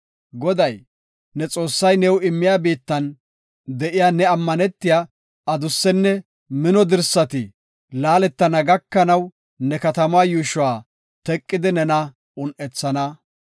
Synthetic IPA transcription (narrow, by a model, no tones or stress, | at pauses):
ɡɔd̪ɐj | nɛt͡sʼo̞ːsːɐjnɛwɪmːɪjaːbiːt̪ːɐn | d̪ɛʔɪjaːnɛɐmːɐnɛt̪ːɪjaː | ɐd̪ʊsːɛnːɛ | mɪnɔd̪ɪɾsːɐt̪ɪ | laːlɛt̪ːɐnɐɡɐkːɐnɐw | nɛkɐt̪ɐmaːjuːʃʊwaː | t̪ɛkʼːɪd̪ɪnɛnɐ | ʊnʔɛt͡sːɐnɐ